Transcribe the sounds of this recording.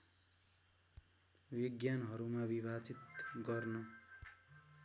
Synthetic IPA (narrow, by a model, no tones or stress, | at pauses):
wiɡjanɦʌɾumabibʱat͡sit̪ɡʌrnʌ